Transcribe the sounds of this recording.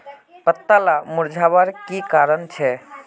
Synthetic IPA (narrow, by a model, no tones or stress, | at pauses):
pət̪ːalamuɾd͡ʒʱabəɾkikaɾənt͡ʃʰɛ